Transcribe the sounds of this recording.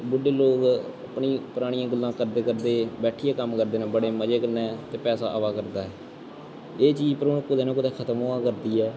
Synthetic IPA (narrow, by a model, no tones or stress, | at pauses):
bʊɖeːloːkəpɳiːpəɾaːɽɪjãːɡəlːãːkəɾd̪eːkəɾd̪eːbɛːʈʰiːeːkəmkəɾd̪eːnɛ̃ːbəɽeːməd͡ʒeːkənɛːt̪eːpɛːsaːʔəʋaːkəɾd̪aːɦɛː | eːt͡ʃiːd͡ʒpəɾoːnkːʊd̪eːnːk̬ʊd̪eːkʰət̪moãːkəɾd̪iːɛː